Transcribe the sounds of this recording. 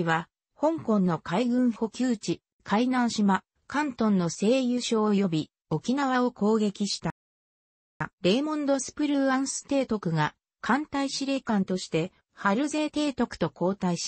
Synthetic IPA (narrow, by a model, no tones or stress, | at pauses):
βa | hõ̞ŋkõ̞nːo̞kaiɡɯ̟̃ɰ̃ho̞kʲɯːt͡ɕi | kʰainãɰ̃ɕima | kãnt̪õ̞nːo̞se̞ːjɯ̟ɕo̞ːjo̞bʲi | o̞kʲinaβ̞ao̞ko̞ːɡe̞kʲiɕi̥t̪a | ɾe̞ːmõ̞nd̪o̞sɨ̥pɯ̟ɾɯãɰ̃sɨ̥t̪e̞ːt̪o̞kɯ̟ɡa | kʰãnt̪aiɕiɾe̞ːkãnt̪o̞ɕi̥t̪e̞ | haɾɯ̟ze̞ːt̪e̞ːt̪o̞kɯ̟̥t̪o̞ko̞ːt̪aiɕ